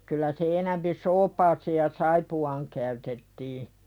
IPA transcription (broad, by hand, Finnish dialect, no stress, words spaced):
kylˑæ se enæmpi soːpɑːseːj̆ jɑ sɑipuɑːŋ kæytetːiː